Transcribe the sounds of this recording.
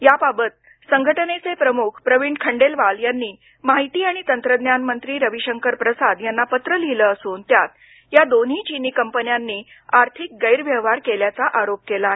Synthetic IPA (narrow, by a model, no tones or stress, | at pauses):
jababət̪̚ | səŋɡʱəʈənet͡sepɾəmukʰpɾəʋiɳɖkʰəɳɖelʋaljanːiː | maɦit̪iːaɽ̃it̪ənt̪ɾəd̪njanmənt̪ɾiːɾəʋiɕəŋkəɾpɾəsad̪janːapət̪ɾəliləəsuːnt̪jat̪ | jad̪on̤ɦiːt͡ɕiniːkəmpənjanːiː | aɾt̪ʰik̚ɡəjɾʋjəʋaɾkeljat͡saʔaɾop̚kelae